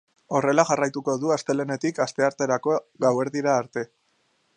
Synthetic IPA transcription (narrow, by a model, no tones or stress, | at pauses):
o̞re̞laʝarajt̪uko̞ðuast̪e̞le̞ne̞t̪ikast̪e̞aɾt̪e̞ɾako̞ɡawe̞ɾðiɾaːɾt̪e̞